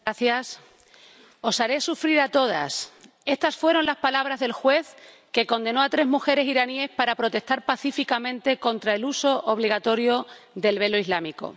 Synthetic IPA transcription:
aθjas | o̞saɾe̞sufɾiɾat̪o̞ð̞a̰s | e̞st̪asfwe̞ɾo̞nlaspalaβ̞ɾazðe̞lxwe̞θ | ke̞ko̞nd̪e̞no̞at̪ɾe̞zmuxe̞ɾe̞siɾanie̞spaɾapɾo̞t̪e̞st̪aɾpaθifikamẽ̞nt̪e̞ko̞nt̪ɾae̞luso̞ʔoβliɣat̪o̞ɾjo̞ðe̞lβe̞lo̞izlamiko̞̰

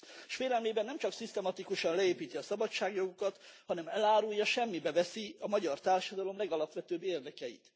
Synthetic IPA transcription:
ʃʋeːlɛlmeːbɛnɛmt͡ʃɒksist̪ɛmɒt̪ikuʃɒnlɛeːpiːt̪iɒsɒbɒt͡ʃːaːɡjo̞ɡokɒt̪hɒnɛmɛlaːɾujːɒʃɛmːibɛvɛsiɒmɒɟɒrt̪aːrʃɒd̪ɒlo̞mlɛɡɒlɒpʋɛt̪øːbːeːrd̪ɛkɛjḭt̪

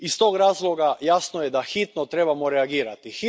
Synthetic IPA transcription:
ist̪o̞ːɡɾaːzlˠo̞ɡajasnojed̪axit̪not̪ɾe̞bamoɾeaɡiːɾat̪ixi

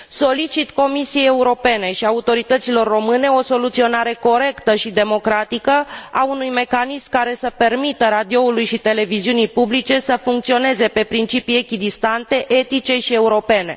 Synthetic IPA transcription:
so̞lit͡ʃit̪ko̞misije̞je̞uɾo̞pe̞ne̞ʃiaut̪o̞ɾit̪ət̪silo̞rːo̞mɨne̞o̞so̞lut̪sio̞naɾe̞ko̞ɾe̞kt̪əʃid̪e̞mo̞kɾat̪ikəaunujme̞kanismkaɾe̞səpe̞rmit̪əɾad̪io̞ulujʃit̪e̞le̞viziunijpublit͡ʃe̞səfuŋk̚t̪sio̞ne̞ze̞pe̞pɾint͡ʃipijekʲid̪ist̪ant̪e̞ʔe̞t̪it͡ʃe̞ʃie̞uɾo̞pe̞ne̞̰

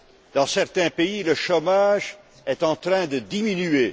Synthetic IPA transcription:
d̪̥ɑ̃sɛʁt̪ɛ̃peiləʃomaʒ | ɛt̪ɑ̃t̪χɛ̃d̪əd̪iminye

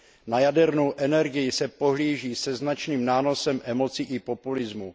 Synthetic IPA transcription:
najadɛɾnowʔɛnɛɾɡɪjɪsɛpo̞ɦliːʒiːsɛznat͡ʃniːmnaːno̞sɛmʔɛmo̞t͡sɪʔɪpo̞pulɪzmu

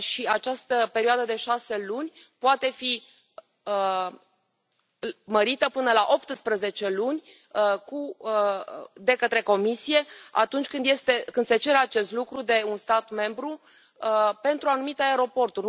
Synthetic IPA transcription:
ʃiat͡ʃast̪əpe̞ɾioad̪əd̪e̞ʃase̞lunʲ | poat̪e̞fi | ə | məɾit̪əpɨnəlaʔo̞pt̪ɨspɾəze̞t͡ʃe̞lunʲ | ku | d̪e̞kət̪ɾe̞ko̞misije̞a̰t̪unt͡ʃʲkɨnd̪je̞st̪e̞kɨnd̪̥se̞t͡ʃe̞ɾeat͡ʃe̞st̪lukɾud̪e̞unst̪at̪me̞mbɾu | pe̞nt̪ɾuanumit̪eaeɾo̞po̞rt̪ur

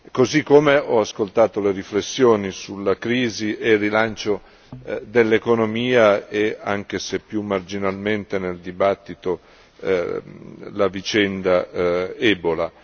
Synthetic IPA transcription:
kozikːomeɔaskolt̪aːt̪oleɾiflesːjoːnisulːakɾiːziʔerːilant͡ʃo | d̪elːekonomiːaeaŋk̟esepːjumːard͡ʒinalment̪eneld̪ibat̪ːit̪o | lavit͡ʃɛnd̪aɛːbola

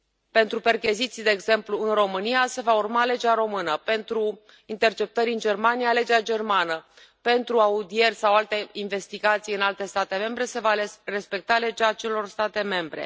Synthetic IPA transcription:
pe̞nt̪ɾupe̞rkʲizit̪sijd̪eːɡze̞mpluɨnro̞mɨnijase̞vaurmale̞d͡ʒeaɾo̞mɨnəpe̞nt̪ɾu | int̪e̞rt͡ʃe̞p̚t̪əɾʲɨnd͡ʒe̞rmanijale̞d͡ʒead͡ʒe̞rmanə | pe̞nt̪ɾuaud̪ie̞rʲsawalt̪e̞inve̞st̪iɡat̪sijɨnalt̪e̞st̪at̪e̞me̞mbɾe̞se̞vare̞spe̞k̚t̪ale̞d͡ʒat͡ʃe̞lo̞rst̪at̪e̞me̞mbɾe̞̰

